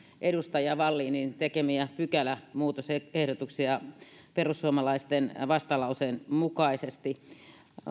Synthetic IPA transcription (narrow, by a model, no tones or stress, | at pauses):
ʔedust̪ɑjɑʋɑlːiːnint̪ekemiæpykælæmuːt̪osehɾot̪uksiɑ | perusːuomɑlɑist̪enʋɑst̪ɑlɑuseːnmukɑisest̪i